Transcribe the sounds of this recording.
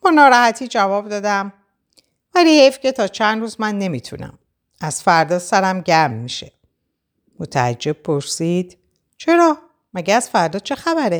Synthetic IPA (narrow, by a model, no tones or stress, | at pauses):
b̥ɒːnɒːɾɒːhæt̪ʰiːd͡ʒævɒːb̚d̪ɒːd̪æm | væliːhejfce̞t̪ʰɒːt͡ʃʰænd̪ɾuːzmænːe̞miːt̪ʰṵnæ̰m | ʔæz̥fæɾd̪ɒːsæɾæmɟæɾmːiʃe̞ | mot̪ʰæ̰æd͡ʒːe̞b̚pʰo̞ɾsiːd̪̥ | t͡ʃʰe̞ɾɒː | mæɟeæz̥fæɾd̪ɒːt͡ʃʰe̞xæbæɾe